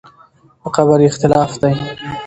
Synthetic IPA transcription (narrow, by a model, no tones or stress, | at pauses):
əqaβaɾiɪxt̪ɪlɑːfd̪aj